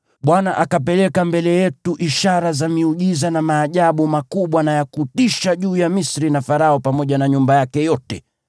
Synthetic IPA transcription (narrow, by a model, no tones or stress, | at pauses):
ɓwanaʔakapɛlɛkambɛlɛjɛtuʔiʃaɾazamiuʄizanamaːʄaɓumakuɓwanajakutiʃaʄuːjamisɾinafaɾaɔpamɔʄanaɲumbajakɛjɔtɛ